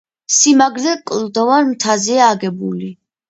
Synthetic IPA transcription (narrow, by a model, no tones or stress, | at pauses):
simaɡɾd̪ɛkʼlˠd̪ɔvaɾmt̪ʰaziaːɡɛbuli